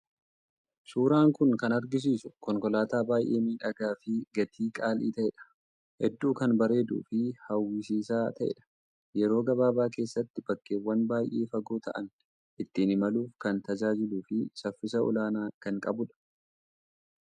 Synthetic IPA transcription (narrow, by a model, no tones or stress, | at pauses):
suːɾaːŋkʊŋkɐnɐɾɡɪs̬iːsʊkɔŋkɔlaːt̪aːbaːjʔe̞ːmiːᶑɐɡaːfɪɡɐt̪ʰiːkʼaːlḭːt̪ɐʔɛᶑɐ̥ | hɛd̪ːuːkɐnbɐɾe̞ːd̪ṵːfɪhɐwːɪsiːsaːt̪ʰɐʔɛ̰ᶑɐ̥ | jɛɾo̞ːɡɐbaːbaːk̬e̞ːsːɐt̪ːɪbɐkːeːwːɐnbaːjʔeːfɐɡoːt̪ʰɐ̰ʔɐ̰n | ʔɪt̪ːiːnɪmɐluːfkɐnt̪ɐd͡ʒaːd͡ʒɪluːfɪsɐfːɪsɐɔ̰laːnaːkɐŋkʼɐ̰bʊᶑɐ̥